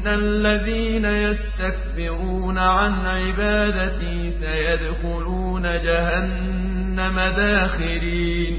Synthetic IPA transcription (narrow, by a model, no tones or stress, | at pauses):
nalːaðiːnajast̪ak̚bɪɾuːnaʕanʕɪbaːd̪at̪ɪhsajad̪xʊluːnad͡ʒaɦanː | amad̪aːxɪliː | n